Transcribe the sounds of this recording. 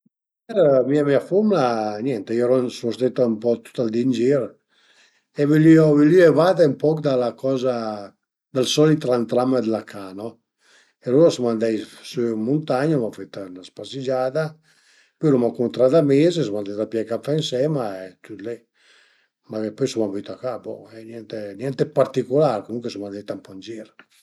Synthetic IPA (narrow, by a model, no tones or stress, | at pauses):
ɛɾmiamiafumlaɲɛnt̪eioɾɔnsust̪et̪aumpɔt̪u̥t̪ald̪ind͡ʒiɾ | evelyɔvilyɛvad̪aumpɔkd̪alakʰɔːza | d̪alsɔlit̪ɾant̪ɾamad̪əlakʰanɔ | eɾuasmand̪ɛjsømunt̪aɲomafet̪anaspasid͡ʒaːd̪a | pɔlumakunt̪ɾad̪amezes̬mand̪ɛjd̪apjɛkafɛinsɛmaet̪yt̪lɛ | maepɔjsumamvit̪akabɔ̰ɛnjɛnt̪enjɛnt̪epaɾt̪ikolaɾkomuŋkwesumand̪ɛjt̪ampɔnd͡ʒiɾ